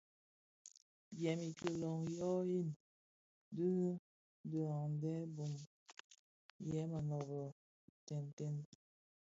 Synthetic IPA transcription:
bɛ˨mi˨kə˨lɔ˨ŋjɔ˦i˦˨n | də˦nə˦ | də˨a˨ŋndɛ˦bo˨m | jɛ˨˦mə˨nɔ˨βɔ˨ | tɛ˨ntɛ˦n

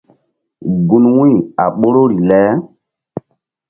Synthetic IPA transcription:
ɡu˨nwũ˦˨a̰˨ɓo˦ɾo˦ɾi˨lɛ˦

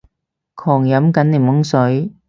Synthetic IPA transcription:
kʰɔː˨˩ŋjɐ˨˥mkɐ˨˥nliː˨˩mwʊ˨˥ŋsɵ˨˥ɥ

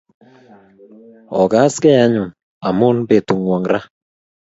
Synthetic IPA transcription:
ɔ˨ɡa˦skɛ˦ja˦ɲʊ˨n | a˨mʊ˦nbe˨tu˨ŋwɔ˨ŋɾa˦

